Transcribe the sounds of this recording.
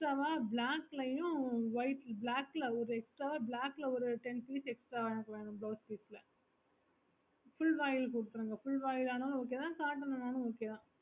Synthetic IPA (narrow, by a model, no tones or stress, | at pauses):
sʈɾaːʋaːblaːkːlɐjʊ̃ʋɐɪʈlblaːkːlɐɔɾɯɛksʈɾaːʋaːblaːkːlɐɔɾɯʈɛnpiːsɛksʈɾaːʋɛɳɐkːɐʋeːɳʊ̃mbloːspiːslɐ | fʊɭʋaːjɪlkʊɽɯt̪ːɯɾɯːŋɡɐfʊɭʋaːjɪlaːnɐl̃ɔk̬ːeːt̪ãːsaːʈːɐnɐnaːnʊ̃ɔkːeːðãː